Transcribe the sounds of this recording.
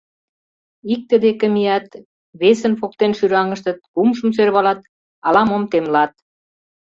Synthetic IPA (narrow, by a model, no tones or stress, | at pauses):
ik̚t̪ə̆d̪ekə̆mijɑt̪ | βesənfok̚t̪enʃyɾɑŋə̆ʃt̪ə̆t̪̚kumʃə̆msørβɑlɑt̪̚ | ɑlɑmomt̪emlɑt̪̚